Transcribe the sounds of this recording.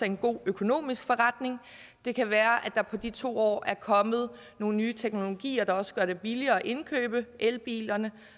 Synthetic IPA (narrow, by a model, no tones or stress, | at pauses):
ɑe̝nɡ̥o̝̰ːøkʰo̝no̝̰ːmisɡ̥fɒ̽ʁɑd̥ne̝ŋ | d̥e̝kʰæʋæːɐʔæd̥ɑ̈pʰɒ̽d̥it͡sʰo̝̰ːɒ̰ːʔæɐkʰɒ̽mð̞̩ˠ | no̝ːn̩nyːt͡sʰeɡ̥no̝lo̝ɡ̥ḭːɐd̥ɑ̈ɒ̽sə̥ɡ̥ɶɐɾ̥e̝b̥iliɐːɒʔe̝nkʰø̰ːb̥əʔelb̥ḭːlɐnə